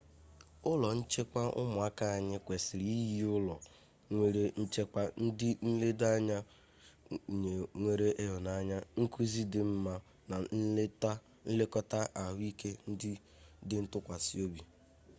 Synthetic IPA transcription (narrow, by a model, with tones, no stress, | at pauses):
ʊ˦lɔ˨n̩˦t͡ʃe˦kʷa˦ʔʊ̰˦mʊ˨a˦ka˦a˨ɲɪ˦kʷe˨sɪ˨ɾi˦ji˦ʊ˦lɔ˨ | ŋʷe˨ɾe˦n̩˦t͡ʃe˦ka˦n̩˦dɪ˦n̩˦le˦da˦ɲa˦˨ | ɲe˨ŋʷe˦ɾe˦ʔe˦ɦo˨na˨˦ɲa˦ŋ̩˦ku˦zi˦dɪ˨˦m̩˦ma˦ | na˨˦ | n̩˦lɪ˦kɔ˦ta˦ʔa˨ɦʊ˦i˦kʰe˦n̩˦dɪ˦ | dɪ˦n̩˦tʊ˦kʷa˨si˦o˦bi˨